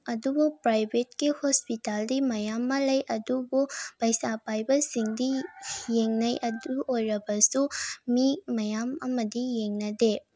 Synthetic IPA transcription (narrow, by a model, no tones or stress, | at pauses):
ɐdubupɾajbʱetkihospitaldimɐjamːɐlɐjʔɐdubupɐjsapajbɐsiŋdijeŋnɐjʔɐduʔojɾɐbɐsumimɐjamɐmɐdijeŋnɐde